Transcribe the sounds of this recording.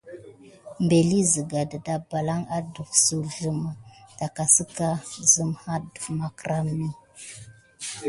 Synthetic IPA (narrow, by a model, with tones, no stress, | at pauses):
mbe˨li˦zə˨ɡa˨də˨da˨ba˨la˦ŋa˦du˨ksu˨ɮu˦ma˨ta˨ka˨sə˦ka˦zə˦mha˦du˨ma˨kɾa˦mni˦